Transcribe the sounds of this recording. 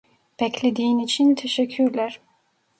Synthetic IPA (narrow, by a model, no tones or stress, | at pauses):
b̥ɛclʲed̪iːinit͡ʃʰint̪ʰeʃɛcʰːyɾlʲæɾ̥